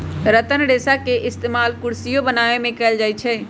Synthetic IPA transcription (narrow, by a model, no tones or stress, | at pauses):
ɾət̪ənɖesakeʔɪst̪emalkuɾsijobənaʋemẽkɛːld͡ʒajt͡ʃʰɛ